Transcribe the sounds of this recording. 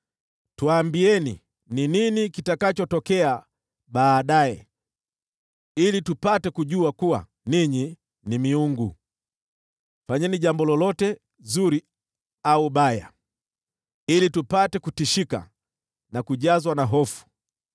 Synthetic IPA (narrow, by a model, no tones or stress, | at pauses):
tuaːmbiɛnḭ | nininikitakat͡ʃɔtɔkɛa | ɓaːɗaɛ | ilitupatɛkuʄuakuwa̰ | niɲi | nimiuŋɡu | faɲɛniʄambɔlɔlɔtɛ | zuɾi | auɓaja | ilitupatɛkutiʃika̰ | nakuʄazwanaɦɔfu̥